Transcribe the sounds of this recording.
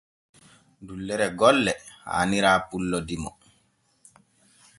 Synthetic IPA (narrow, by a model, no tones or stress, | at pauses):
dulːɛɾɛɡɔlːɛha̰ːniɾaːpulːɔdimɔ̰